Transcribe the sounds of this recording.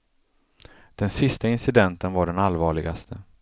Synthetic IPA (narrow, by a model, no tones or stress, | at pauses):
d̪̥ɛnsɪst̪aɪnsɪd̪ɛnt̪ənvaɖɛnalvɑːɭɪɡast̪ʰə